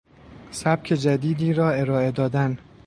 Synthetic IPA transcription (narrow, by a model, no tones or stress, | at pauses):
sæb̥̚cʰe̞d͡ʒæd̪iːd̪iːɾɒːe̞ɾɒːe̞d̪ɒːd̪æn